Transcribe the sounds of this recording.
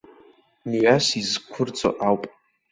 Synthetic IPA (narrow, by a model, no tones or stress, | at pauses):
mɥasizkʷʰʊrt͡sʼo̰ʔawpʼ